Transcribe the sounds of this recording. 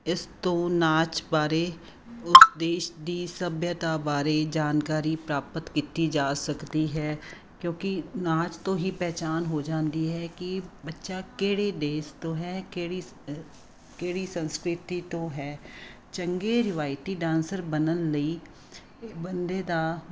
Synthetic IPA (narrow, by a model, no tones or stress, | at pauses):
ɪst̪õːnaːt͡ʃbaːɾeː | ʊsd̪eːʃd̪iːsəbʱjət̪aːbaːɾeːd͡ʒaːnkaːɾiːpɾaːpət̪kiːt̪id͡ʒaːsəkd̪iːɦɛː | kjõːkɪnaːt͡ʃt̪õːɦiːpɛːt͡ʃaːnɦoːd͡ʒãːnd̪iːɦɛːkɪbətːʃaːkeːɽeːd̪eːst̪õːɦɛːkeːɽi | keːɽiːsə̃nskɾɪt̪iːt̪õːɦɛː | t͡ʃəŋɡeːɾɪʋaːɪʈiːɖãːnsəɾbənənləiː | bənd̪eːd̪aː